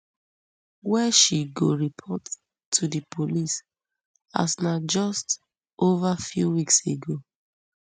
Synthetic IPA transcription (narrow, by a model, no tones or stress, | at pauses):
wɛʃiɡoɹipʰɔt | tʰːudɨpʰolis | a̰snad͡ʒɔst | ʔovafjuwikseɡo